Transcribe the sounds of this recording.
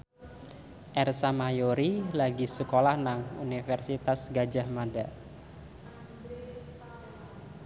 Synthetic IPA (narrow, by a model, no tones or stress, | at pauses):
ʔɛrsamajoɾilaɡisəkolahnaŋṵnifɛrsit̪asɡad͡ʒahmada